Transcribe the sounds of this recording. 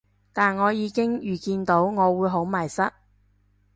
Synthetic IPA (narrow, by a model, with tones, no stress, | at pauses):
t̪aː˨nŋɔː˨˧jiː˨˧kɪ˥ŋjyː˨˩kiː˧nt̪o˨˥wŋɔː˨˧wuː˨˧jɦo˨˥wmɐ˨˩jsɐ˥t̚